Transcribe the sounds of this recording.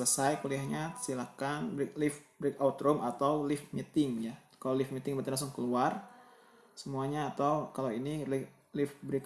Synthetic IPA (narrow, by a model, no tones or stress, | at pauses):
ləsajkuliahɲasilakanbɾiklɪfbɾɪkaut̪ɾɔmʔat̪awlɪfmit̪ɪŋjakalawlɪfmit̪ɪŋbat̪inlas̬ʊŋkəluar | səmuaɲaːt̪awkalawinilɪ | lɪfbɾik